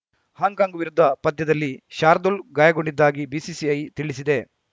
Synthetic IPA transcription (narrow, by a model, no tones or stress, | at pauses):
haːŋkaːŋɡʋiɾud̪ʱːɐpɐd̪jɐd̪ɐlːiʃaːɾd̪ulɡaːjɐɡoɳɖid̪ːaːɡibiːsisiɐjt̪iɭisid̪e̞